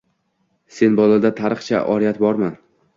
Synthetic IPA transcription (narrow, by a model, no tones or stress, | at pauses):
se̞nbɒlad̪at̪ʰaɾɨχt͡ʃʰa̰ʔɒɾijat̪bɒɾman